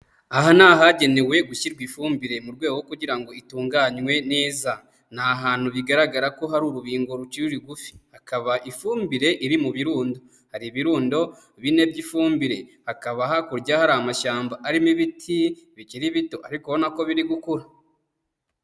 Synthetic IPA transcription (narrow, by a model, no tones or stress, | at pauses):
aɦanaːɦaɟe̞ne̞we̞ɡuçiɾɡwifuːmbiɾe̞muɾɡwe̞ːɡoɡokuɟiɾaŋɡo̞ituːŋɡaɲwe̞ne̞ːza | naɦaːn̥huβiɡaɾaɡaɾako̞ɦaɾuːɾuβiːŋɡo̞ɾut͡ʃiɾuɾiɡufi̥hakaβaʔifuːmbiɾe̞ʔiɾimuβiɾuːndo̞ | haɾiβiɾuːndo̞ | βine̞bɟifuːmbiɾe̞hakaβaɦakuɾɟahaɾamaʃaːmbaʔaɾimiβitʰiβiciɾiβito̞ʔaɾikoβonako̞βiɾiɡukuɾa